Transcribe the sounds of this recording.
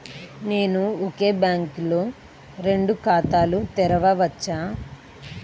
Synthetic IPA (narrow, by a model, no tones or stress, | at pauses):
ne̞ːnuoke̞ːbjaːŋkloː | ɾe̞ɳɖukaːt̪aːlut̪ɛɾɐʋɐʋɐt͡ʃːaː